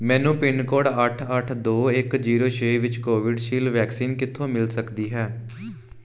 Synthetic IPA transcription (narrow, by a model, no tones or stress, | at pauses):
mɛ̃ːnũːpɪnkoːɽəʈʰəʈʰd̪oːɪkd͡ʒiːɾoːt͡ʃʰeːʋɪt͡ʃkoːʋɪɖʃiːlʋɛːksiːnkɪt̪ʰːõːmɪlsəkd̪iːɦɛː